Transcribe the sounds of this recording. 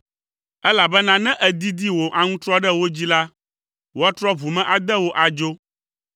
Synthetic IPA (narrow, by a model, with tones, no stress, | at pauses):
ɛ˦la˨bɛ˦nã˦nɛ̃˦ʔɛ˨d̪i˦d̪i˦wo˨ʔa˨ŋũ˦t̪ɾɔ˦ɖɛ˦wo˦d͡ʑi˦la˦ | wo˦a˦t̪ɾɔ˦vu˨mɛ̃˨ʔa˨d̪ɛ˦wo˨ʔa˨d͡ʒo˦